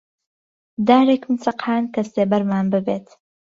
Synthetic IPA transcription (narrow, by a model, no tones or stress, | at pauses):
d̪aːɾeːkmɨt͡sɐqhaːnkɐseːbɐɾmaːnbɨbeːt̪